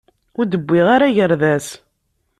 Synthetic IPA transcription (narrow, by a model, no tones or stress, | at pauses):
ʊɾd̪əbʷːɪʁaɾaʝəɾðæs